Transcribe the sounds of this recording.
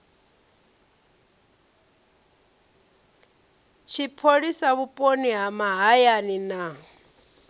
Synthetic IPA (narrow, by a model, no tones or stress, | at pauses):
t͡ʃʰipʰoɺisaβupʼoniɦamaɦajanina